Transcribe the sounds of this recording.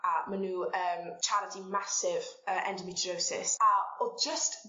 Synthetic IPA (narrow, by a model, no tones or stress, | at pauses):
amənuːəːmt͡ʃʰaɾətʰimasɪvəːʔɛndəmitʰɹowsɪ̰saɔd͡ʒəst